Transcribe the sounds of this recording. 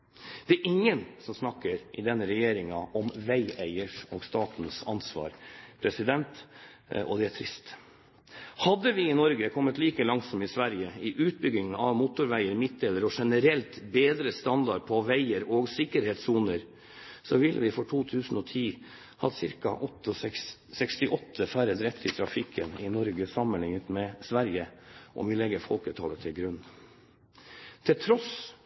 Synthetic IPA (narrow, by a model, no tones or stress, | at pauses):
d̪̥ɛæɾʔɪŋːənsɔmsnɑkːəɾʔɪd̪ɛnːəɾɛjeːɾɪŋɑʔɔmʋæɪæɪəʂɔːɡst̪ɑːt̪n̩sɑnsʋɑ̰ːɾpʰɾɛsɪd̪ɛnt̪ | ɔ̰d̪ɛæʈʰɾɪst̪ | hɑd̪ːəʋɪɪnɔɾɡəkʰɔmːət̪liːkəlɑŋsɔmɪsʋæɾjəɪʔʉːt̪̚bʏɡɪŋnɑʋmuːt̪ʊɾʋæɪəɾmɪt̪̚d̪eːləɾɔʂɛnəɾɛlt̪beːd̪ɾəst̪ɑnd̪ɑɖpʰɔʋæɪəɾoːɡsɪkːəɾheːt̪suːnəɾ | sɔʋɪlːə̰ʋɪfɔʈʰuːt̪ʰʉːsn̩ɔt̪ʰiː | hɑ̰d̪sɪɾkɑ̰ʔɔt̪ːəsɛkst̪ɪʔɔt̪ʰːəfæːɾəd̪ɾɛt̪ʰːɪt̪ʰɾɑfɪkʰːənɪnɔɾɡəsɑmənlɪŋət̪mɛsʋæɾjəʔɔ̰ʋɪlɛɡːəɾfɔlkʉt̪ʰɑ̰lət̪ʰɪlɡɾʉnː | t̪ʰɪlt̪ʰɾɔs